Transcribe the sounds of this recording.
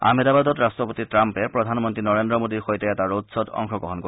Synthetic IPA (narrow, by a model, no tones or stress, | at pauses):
a̰medabad̪ɔtɹastɹɔpot̪itɹampɛpɹɔd̪ʱanmɔntɹinɔɹendɹɔmodiɹxojtɛɛtaɹodsɔd̪ɔ̰ŋxɔɡɔɦɔnko